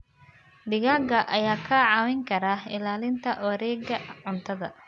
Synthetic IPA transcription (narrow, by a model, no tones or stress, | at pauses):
ɖɪɣaːɡɐʔɐjaːkʰɐʕɑːwɪŋkʰɐɾaːɪlaːlɪnt̪ʰɐɐɾɛːɡɐʕʊnt̪ʰɐðɐ